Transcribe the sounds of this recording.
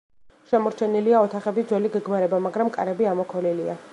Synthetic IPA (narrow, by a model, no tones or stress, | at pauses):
ʃɛmɔɾt͡ʃʰɛniliaɔt̪ʰaχɛbid̪zwɛliɡɛɡmaɾɛbamaɡɾamkʼa̰ɾɛbiamɔkʰɔlilia